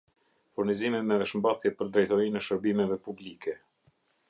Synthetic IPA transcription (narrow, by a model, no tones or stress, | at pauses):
fuɾnizimɛmɛvɛʃmbaθjɛpəɾd̪ɾɛjt̪ɔɾinɛʃəɾbimɛvɛpublikɛ